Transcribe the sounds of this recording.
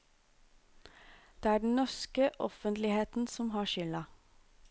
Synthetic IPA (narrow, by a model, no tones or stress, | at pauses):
d̪̥eːæːɖɳ̩nɔskəʔɔfənt̪lɪheːt̪n̩sɔmhɑːʃʏlɑ